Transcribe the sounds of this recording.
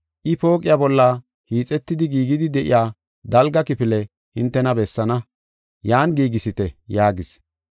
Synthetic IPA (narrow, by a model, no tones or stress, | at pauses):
ʔɪpo̞ːkʼɪjabɔlːɐ | hiːt͡sʼɛt̪ːɪd̪ɪɡiːɡɪd̪ɪd̪ɛʔɪ̰jaː | d̪ɐlɡɐkɪpɪlɛ | hɪnt̪ːɛnɐbɛsːɐnɐ | jaːnɡiːɡɪsɪt̪ɛjaːɡɪs